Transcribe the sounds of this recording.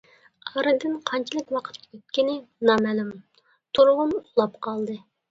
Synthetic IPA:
ɑɾɨd̪ɪnqʰɑnt͡ʃʰilˠɪkʲwɑqʰə̥t̪øt̪̚kʲinɪnɑmælym | t̪ʰoɾʊʁʊnulˠɑpqʰɑlˠd̪ɨ

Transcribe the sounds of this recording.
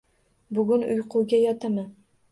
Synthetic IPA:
bʊɡʊnʊ̰jqʰʊwɡʲajɒt̪ʰamɪ

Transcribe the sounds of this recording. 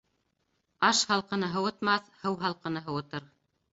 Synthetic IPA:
ɑʃhɑlˠqɤ̆nɤɦɤ̆wɤ̆t̪mɑθhɤwɦɑlˠqɤ̆nɤɦɤ̆wɤ̆t̪ɤɾ

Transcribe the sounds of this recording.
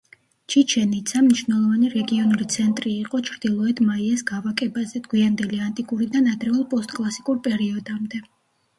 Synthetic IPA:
t͡ʃʰit͡ʃʰɛnit̪sʰamniʃvwnɛlˠɔvaniɾɛɡiɔnuɾit̪sʰɛnt̪ʼɾiːqʼɔt͡ʃʰɾd̪̥ilˠɔɛd̪maiɛsɡavakʼɛbazɛd̪̥ɡwiand̪ɛliant̪ʼikʼuɾid̪anad̪ɾɛɔlˠpʼɔst̪ʼkʼlˠasi̥kʼuɾpʼɛɾiɔd̪amd̪ɛ

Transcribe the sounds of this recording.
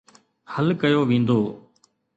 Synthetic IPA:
həlkəjoːʋĩːnd̪oː

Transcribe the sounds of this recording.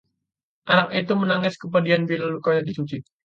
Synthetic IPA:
ʔanakit̪umənaŋɪskəpadianpilalukaɲadisut͡ʃi

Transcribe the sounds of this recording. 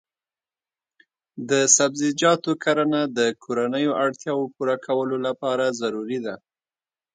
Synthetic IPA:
d̪əsabzɪd͡ʒɑt̪okaɾanad̪əkʰoɾanəjoʔaɽt̪jɑwopuɾakʰawəlolapɑɾazaɾuɾid̪a

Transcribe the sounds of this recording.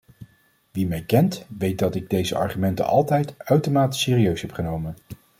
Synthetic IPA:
ʋimɛjkɛntʋejt̚dɑtɪɡ̚dejzəʔɑ̰ɹχymɛntə̰nʔɑ̰lˠtɛjtœɥtomaːti̥sɪːriøɥsɦɛpχənowmən

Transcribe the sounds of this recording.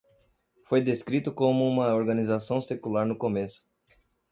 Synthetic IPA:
fojd̪eskɾit̪ʊkõmʊũmɐoɾɡɐnizasɐ̃w̃sekulaɾnʊkomesʊ̥

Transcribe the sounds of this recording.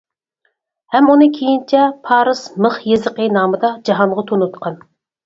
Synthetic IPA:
hɛmunɨkʲʰejint͡ʃʰɛpʰɑːɾɨsməχjezəqəɨnɑːmɨd̪ɑd͡ʒɑɦɑɴʁɑt̪ʰonut̪qʰɑn

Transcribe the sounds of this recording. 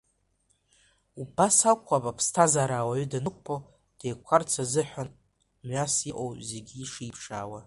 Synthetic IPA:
ubasakʷʰːapʼapʰstʰazaɾaːwaɥɥdanɨkʷʼpʰow | d̥ejkʷʰart͡sʰazɨħʷᶣan | mɥasjiʔʼowze̞ɡʲiːʂiipʰʂa̰ːwa

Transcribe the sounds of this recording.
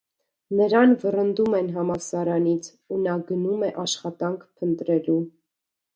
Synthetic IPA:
nəɾɑnvərənd̪umɛnɦɑmɑsɑɾɑnit͡sʰ | unɑɡənumɛʔɑʃχɑt̪ɑŋkʰpʰənt̪ɾɛlu

